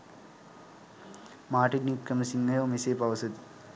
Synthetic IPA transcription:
maːʈinikːɐmsiŋːɐjoːmeseːpɐʋɐsɐd̪i̥

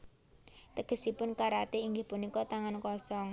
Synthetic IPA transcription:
t̪əɡ̥ə̤sipʊnkaɾat̪iiŋɡɪhpunikɔt̪aŋankɔsɔŋ

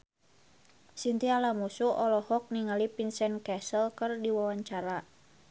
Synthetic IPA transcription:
sint̪ialamusuʔɔlɔhɔk̚niŋalipinsɛnkɛsəlkərdiwawaɲt͡ʃaɾa

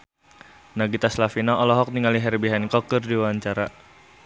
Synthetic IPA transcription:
naɡit̪aslafinaʔɔlɔɦɔk̚niŋaliɦɛrbiɦankɔkɨrdiwaɲt͡ʃaɾa

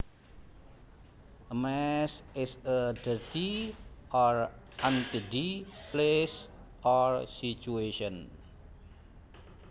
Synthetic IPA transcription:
ʔəmɛsɪsədərt̪iʔɔr | ʔant̪idiples | ʔɔrsit͡ʃueʃɔn

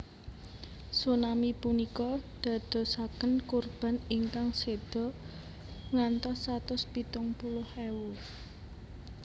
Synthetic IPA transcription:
sunamipunikɔd̪̥ä̤d̪̥ɔ̤sakənkurb̥a̤nɪŋkaŋsed̪̥ɔ̤ | ŋant̪ɔsat̪ʊspit̪ʊŋpulʊhewu

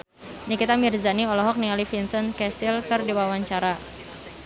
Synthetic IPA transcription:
nikit̪amirzaniɔlɔɦɔk̚niŋalifinsənkɛsilkɨrdiwawaɲt͡ʃaɾa

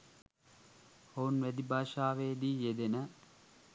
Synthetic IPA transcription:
ounʋæd̪ibʱaːʃaːʋeːd̪iːjed̪enə

